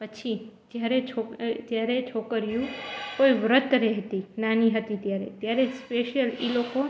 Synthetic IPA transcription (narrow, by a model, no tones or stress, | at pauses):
pət͡ʃʰid͡ʒjaɾet͡ʃʰod͡ʒjaɾet͡ʃʰokəɾjũkoiʋɾət̪ɾɛɦt̪inaniɦət̪it̪jaɾḛt̪jaɾespeʃjəliloko